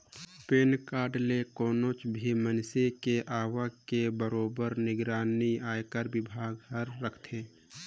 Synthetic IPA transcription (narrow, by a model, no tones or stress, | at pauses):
peːnkaːɖlekoːnoːt͡ʃbʱimənsekeʔaːʋakebəɾoːbəɾnɪɡɾaːniaːjkəɾwɪbʱaːɡɦəɾːəkʰt̪ʰeː